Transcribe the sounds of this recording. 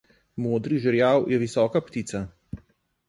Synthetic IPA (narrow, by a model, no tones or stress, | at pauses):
moːd̪ɾiʒəɾjawjɛʋisɔːkapt̪it̪sa